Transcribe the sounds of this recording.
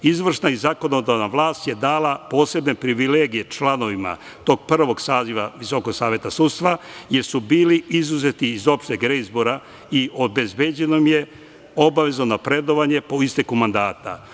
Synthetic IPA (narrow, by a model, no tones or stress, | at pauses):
izʋr̩ʃnaizako̞no̞d̪aʋnaʋlˠaːst̪je̞d̪aːlapo̞ːse̞bne̞pɾiʋile̞ːɡije̞t͡ʃlano̞ʋima̰ | t̪o̞ːɡ̚pr̩ːʋo̞ɡsaːziʋaʋiso̞ko̞ɡsaːʋjet̪asud̪st̪ʋajeɾsubiːliizuze̞t̪iːzo̞pʃt̪eɡɾeizboɾa | iʔo̞be̞zbe̞d͡ʑenomje̞ | o̞baʋe̞zonopɾe̞d̪o̞ʋaɲe̞poist̪e̞kumand̪aːt̪a̰